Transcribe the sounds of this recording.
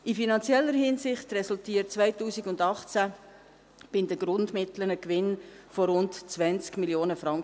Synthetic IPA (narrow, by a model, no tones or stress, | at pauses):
ɪfinɑnt͡sjɛlːəɾhɪnsɪχtrɛsʊltiːətt͡svaɪtuːsiɡʊndɑχt͡sæ | b̥ɪndəɡ̥ɾʊndmɪtlənəkʋɪnfɔɾʊntt͡sʋɛnt͡skmiljoːnəfɾɑŋkə